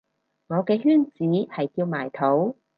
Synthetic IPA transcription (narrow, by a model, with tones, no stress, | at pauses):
ŋɔː˨˧kɛː˧hyː˥nt͡siː˨˥hɐ˨jkiː˧wmaː˨˩jt̪ʰo˨˥w